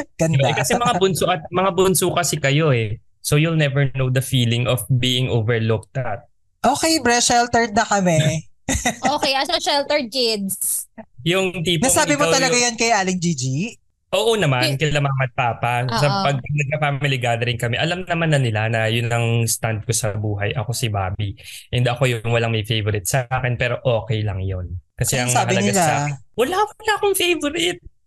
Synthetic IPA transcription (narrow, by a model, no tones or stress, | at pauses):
ɡ̥ɐnd̪baɛkɐsɛmɐŋabʊnsʊʔɐt̪̚mɐŋabʊnsuːkɐsɪkɐjo̞ɛ | sojulnɛvɛɹnowd̪ɐfiːlɪŋʔɔfbiːʔɪŋʔoːvɛɹlʊk̚t̪at̪̚ | ʔoːkɛjbɹɛʃɛlt̪ɛɹd̪̚nɐkɐmɛ | ʔoːkɛʔɐsoʃɛlt̪ɛɹd̪̚kɪd̪sjʊŋt̪iːpnɐsaːbɪmot̪ɐlɐɡajɐnkɐjʔaːlɪŋd͡ʒiːd͡ʒi | ʔoːʔo̞nɐmannkɐlamamɐt̪̚paːpɐsɐpɐɡ̚ɐd̪ɐɡ̪̚k̪ɐfaːmiliɡaːd̪ɐɾɪŋkɐmɛʔɐlamnɐmanːɐnɪlanɐjʊnɐŋst̪and̪̚kosɐbuːɦɐjʔɐko̞sɪbaːbiʔɛnd̪ɐko̞jʊŋwɐlaŋmɐjfejvoɾɪt̪̚saːkɛnpɛːɾo̞ʔoːkɛjlɐŋjonkɐsɛɐŋahɐlɐnɡasa̰ːɛnwɐlaːklaʔɐkoŋfejvoɾɪt̪̚